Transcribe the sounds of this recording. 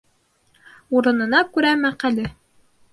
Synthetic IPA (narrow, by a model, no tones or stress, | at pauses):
uɾɤ̆nɤ̆nɑkʉɾæmæqælɘ